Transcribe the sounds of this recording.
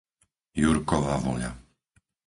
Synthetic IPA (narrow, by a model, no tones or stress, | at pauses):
juɾkɔʋavɔ̰ʎa̰